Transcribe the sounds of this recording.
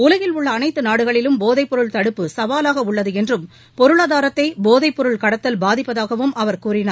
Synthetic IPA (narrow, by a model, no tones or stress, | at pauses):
ʊlɐɣɪlʊɭːɐːnɐɪt̪ːɯnaːɽɯɣɐɭɪlɯmboːðɐɪpːɔɾɯɭt̪ɐɽɯpːɯsɐʋaːlaːɣɐʊɭːɐðɯɛndrɯm | pɔɾɯɭaːðaːɾɐt̪ːɐɪboːðɐɪpːɔɾɯɭkɐɽɐt̪ːɐlbaːðɪpːɐðaːɣɐʋɯmʔɐʋɐɾkuːrɪnaːɾ